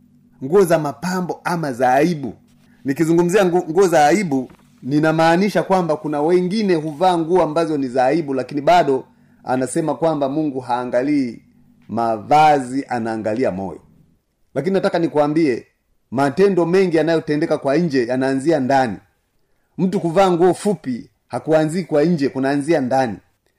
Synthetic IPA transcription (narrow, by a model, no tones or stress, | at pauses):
ŋɡuɔzamapambɔʔamazaːibṵ | nikizuŋɡum̩ziaŋɡuɔzaːibu | ninamaːniʃakwambakunawɛŋɡinɛɦuvaːŋɡuɔambazɔnizaiɓulakiniɓaɗɔ | a̰nasɛmakwambamuŋɡuɦaːŋɡaliː | mavaziʔanaːŋɡaliamɔ̰jɔ̰ | lakininatakanikuambiɛ | matɛndɔmɛŋɡianajɔtɛndɛkakwaɲ̩d͡ʒɛjanaːnziandanḭ | m̩tukuvaːŋɡuɔfupi | hakuanziːkwaɲ̩d͡ʒɛkunaːnziandanḭ